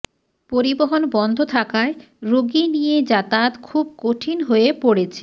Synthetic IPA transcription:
poɾiboɦonbɔnd̪ʱot̪ʰakae | ɾoɡinijed͡ʑat̪at̪kʰub̚koʈʰinɦoepoɽet͡ɕʰe̥

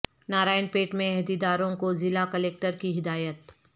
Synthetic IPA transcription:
naːɾaːɪnpeːʈmẽɛɦd̪id̪aːɾõkozɪlakɐleːk̚ʈəɾkiɦɪd̪aːjət̪

